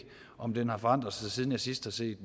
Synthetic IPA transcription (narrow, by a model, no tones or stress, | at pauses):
ɒ̽md̥enhɑ̈fɒ̽ɑ̈n̰d̥ʁɐsɑ̈ɪsiːðˠn̩jɑ̈ɪsisd̥hɑ̈se̝̰ːd̥